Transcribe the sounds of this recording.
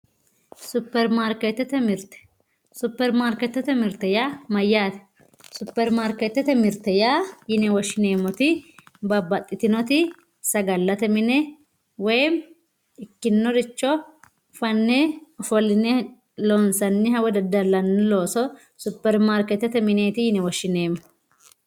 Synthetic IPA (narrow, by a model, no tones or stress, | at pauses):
sʊpːɛɾmaɾkɛt̪ːɛt̪ɛmɪɾt̪ɛ̥ | sʊpːɛɾmaɾkɛt̪ːɛt̪ɛmɪɾt̪ɛjamɐjːaːt̪ɛ̥ | sʊpːɛɾmaːɾkɛt̪ːɛt̪ɛmɪɾt̪ɛjajɪnɛwɔʃɪneːmɔt̪ɪbɐbɐt̪ʼːɪt̪ɪnɔt̪ɪ | sɐɡɐlːɐt̪ɛmɪnɛ | wɔjm | ɪkːɪnːɔɾɪt͡ʃːɔ | fɐnːɛɔfɔlɪnɛ | loːnsɐnːɪɦɐwɛd̪ɐd̪ɐlːɐnːɛlo̞ːsɔ | sʊpːɛɾmaːɾkɛt̪ːɛt̪ɛmɪneːt̪ɪjɪnɛwɔʃːɪneːmːɔ